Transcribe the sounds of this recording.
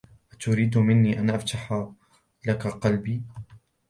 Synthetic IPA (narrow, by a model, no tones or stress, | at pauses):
ʔat̪ʊɾiːd̪mɪnːiːʔanʔaft̪aħa | lakaqɑlbiː